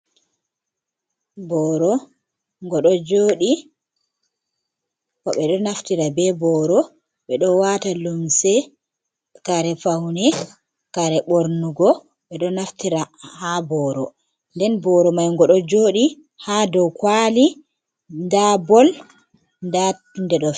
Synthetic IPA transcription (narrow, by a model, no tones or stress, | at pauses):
bɔɾɔ | ŋɡɔɗɔd͡ʒoːɗi | kɔɓɛɗɔnaftiɾabɛbɔɾɔ | ɓɛɗɔwatalumsɛ | kaɾɛfawnɛ | kaɾɛɓoɾnuɡɔ | ɓɛɗɔnaftiɾahabɔːɾɔ | ndɛnbɔɾɔmajŋɡɔɗɔd͡ʒoːɗi | hadɔwkwali | ndabɔl | nda | ndɛɗɔ